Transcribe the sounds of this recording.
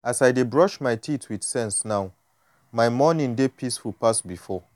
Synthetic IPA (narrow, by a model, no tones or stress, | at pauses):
asaɪdebɹɔʃmaɪtʰitʰwid̥sɛ̃nsnãʊ | mãɪmɔnĩŋdepʰisfulpʰasbifɔ